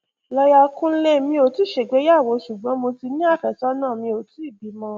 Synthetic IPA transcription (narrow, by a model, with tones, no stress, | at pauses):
lɔ˧ja˧kũ˦le˦˨mĩ˧o˨tu˦˨ʃe˨ɡ͡be˨˦ja˦˨wo˨˧ʃu˨ɡ͡bɔ̃˨˦mo˧ti˧nĩ˦a˦˨fɛ˨sɔ˨˦nã˦˨mĩ˧o˨tu˨˦i˦˨bi˨˦mɔ̃˧